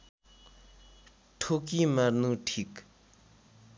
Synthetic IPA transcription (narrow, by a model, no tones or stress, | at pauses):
ʈ͡ʂʰokimarnuʈ͡ʂʰik̚